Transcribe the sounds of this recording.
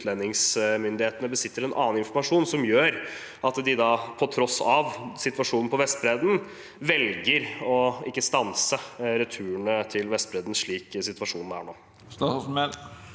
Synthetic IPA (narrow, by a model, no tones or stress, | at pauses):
t̪ʰlɛnːɪŋsmʏnd̪ɪheːt̪ənəbəsɪt̪ːəɾɛnʔɑ̰ːnɪnfɔɾmɑʂuːnsɔmjøːɾ | ʔɑt̪d̪ɪd̪ɑpʰɔt̪ʰɾɔsːɑʋsɪt̪ʋɑʂuːnn̩pʰɔʋɛst̪̚bɾed̪n̩ | ʋɛlɡəɾɔɪkːəst̪ɑnsəɾɛt̪ʰʉːəɳət̪ʰɪlʋɛst̪̚bɾɛːd̪n̩ʂɭiːksɪt̪ʋɑʂuːnæ̰ɳo̰ː | st̪ɑosn̩mɛ